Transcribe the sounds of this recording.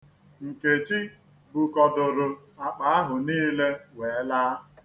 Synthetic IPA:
ŋ̩˨ke˨t͡ʃi˦ | bu˨kɔ˨dʊ˨ɾʊ˨ | a˨k͡pa˨a˦ɦʊ˨niː˦le˦we˨˦laː˦

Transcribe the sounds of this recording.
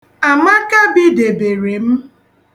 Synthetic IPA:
a˨ma˦ka˦bi˦de˨be˨ɾe˨m̩˦

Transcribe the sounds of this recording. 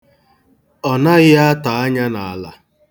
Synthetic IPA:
ɔ˨na˦ɣɪ˦a˦ta˨a˦ɲa˦na˨a˨la̰˨

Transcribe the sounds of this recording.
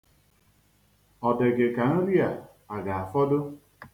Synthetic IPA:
ɔ˨dɪ˨ɡɪ˨ka˨n̩˦ɾi˦a˨ | a˨ɡa˨a˨fɔ˦dʊ˦

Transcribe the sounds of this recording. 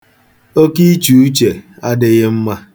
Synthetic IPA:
o˦ki˦t͡ʃu˨u˦t͡ʃe˨a˦dɪ˦ɣɪ˦m̩˦ma˦

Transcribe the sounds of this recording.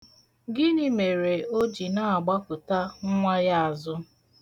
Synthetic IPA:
ɡɪ˦nɪ˦me˨ɾe˨o˦d͡ʒi˨na˦a˨ɡ͡ba˦kʊ˨ta˦ŋ̩˦ŋʷa˦ja˦a˨zʊ˦

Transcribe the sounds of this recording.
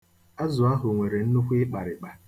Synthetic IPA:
a˦zʊ˨a˦ɦʊ˨ŋʷe˨ɾe˨n̩˦nʊ˦kʷɪ˦k͡pa˨ɾɪ˨k͡pa˨

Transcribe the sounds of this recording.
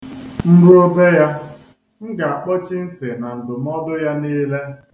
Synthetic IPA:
m̩˦ɾʊ˦o˦be˦ja˦ | ŋ̩˦ɡa˨a˨k͡pɔ˦t͡ʃi˦n̩˦tɪ˨na˨n̩˨dʊ˨m˦ɔ˦dʊ˦ja˦niː˦le˦

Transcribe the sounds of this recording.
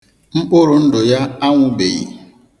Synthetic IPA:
ŋ͡m̩˦k͡pʊ˦ɾʊ˨n̩˦dʊ˨ja˦a˦ŋʷʊ˦bḛ˨jḭ˨

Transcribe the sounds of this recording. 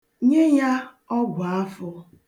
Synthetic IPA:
ɲe˦ja˦ | ɔ˦ɡʷa˦fʊ˦

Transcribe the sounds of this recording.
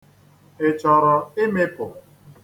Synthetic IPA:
ɪ˨t͡ʃɔ˨ɾɔ˨ɪ˦me˦pʊ˨

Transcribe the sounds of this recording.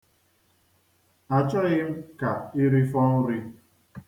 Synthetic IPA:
a˨t͡ʃɔ˦ɣɪ˦m̩˦ka˨ɪ˦ɾi˦fɔ˦n̩˦ɾi˦

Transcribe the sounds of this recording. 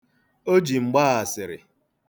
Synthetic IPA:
o˦d͡ʒi˨ŋ͡m̩˨ɡ͡baː˦a˨sɪ˨ɾɪ̰˨

